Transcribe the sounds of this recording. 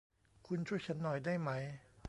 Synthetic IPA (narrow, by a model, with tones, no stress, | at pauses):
kʰu˧nt͡ɕʰu˥˩t͡ɕʰa˦˥nːɔ˨˩jdaː˥˩jma˦˥j